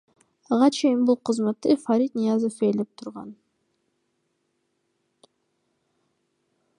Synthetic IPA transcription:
ɑʁɑt͡ʃʰe̞jinbulˠqʰɯzmɑt̪ːɨfaɾʲit̪nijazofelep̚t̪ʰuɾʁɑ̰n

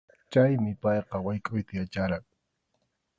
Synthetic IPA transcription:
t͡ʃajmɪpɑjqɑwajkʼʊjt̪ajat͡ʃaɾɑŋ

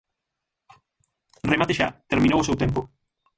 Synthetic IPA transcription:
remat̪eʃat̪eɾmĩnowosewt̪empo

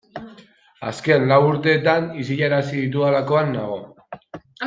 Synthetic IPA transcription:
a̰ske̞nlawuɾt̪e̞ːt̪anis̬iʎaɾasiðit̪ualako̞anːaɣ̞o̞

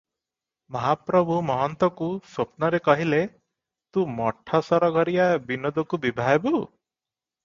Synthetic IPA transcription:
mɔɦapɾɔbʱumɔɦɔnt̪ɔkusopnɔɾekɔɦile | t̪ũmɔʈʰɔsɔɾɔɡʱɔɾijabinod̪ɔkubibʱaebu

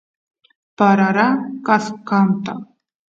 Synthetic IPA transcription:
b̥aɾaɾakʼaskamt̪ʼa

